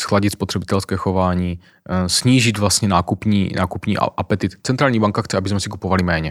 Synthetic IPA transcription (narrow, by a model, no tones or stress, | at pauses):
sxlaɟit̪spot̪r̝̥ɛbɪt̪ɛlskɛːxovaːɲiː | sɲiːʒɪd̪vlast̪ɲɛnaːkupɲḭːnʔa̰ːkupɲḭːʔʔapɛt̪ɪt̪t͡sɛnt̪ɾaːlɲiːbaŋkaxtt͡sɛʔabɪzmɛsikupovalimɛːɲɛ